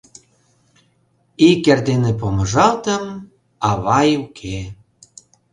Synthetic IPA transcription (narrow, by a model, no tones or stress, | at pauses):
ikerd̪enepoməʒɑlt̪əm | ɑβɑjukʰe